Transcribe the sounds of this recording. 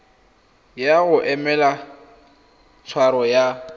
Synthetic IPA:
jaɣʊʔɛmɛla | t͡sʰwaɾɔja

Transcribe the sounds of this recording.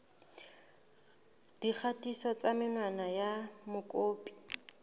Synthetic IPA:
d̥ik͡xʰatʼisɔt͡samɪnwanajamʊkʼoːpʼi̥

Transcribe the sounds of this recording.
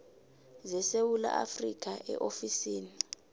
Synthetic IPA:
zɛsewula̰ʔafrik̬ʰʼaʔɛ̰ʔofisiːni

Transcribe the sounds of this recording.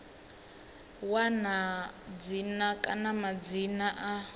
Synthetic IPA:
wanad͡zinakʼanamad͡zinaʔa

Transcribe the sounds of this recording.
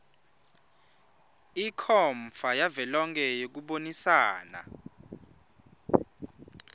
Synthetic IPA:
ikʰɔɱfajavɛlɔŋkʰʼɛjok̬uɓonisaːna̰

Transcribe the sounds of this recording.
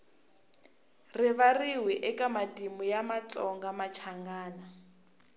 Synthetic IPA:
riβariwiʔɛkamadimujamat͡sʼɔŋɡamat͡ʃʰaŋɡaːna

